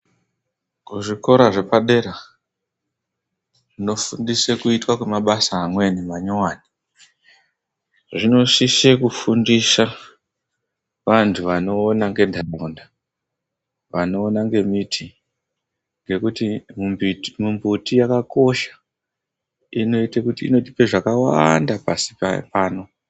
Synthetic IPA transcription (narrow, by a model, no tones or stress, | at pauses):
kuʐiko̞ɾaʐe̞paɗeɾa | ʐino̞fundisekuitwakwemaɓasaːmwe̞niʋaɲowaːni | ʐino̞sisekufundisa | ʋantʰuʋano̞ːnaŋɡe̞ndʱarunda | ʋano̞ːnaŋɡe̞mitʰi | ŋɡe̞kutimumbmumbutijakako̞ʃḁ | ino̞itekutḭːno̞ti̥pe̞ʐakawandapasi̥papaːno̞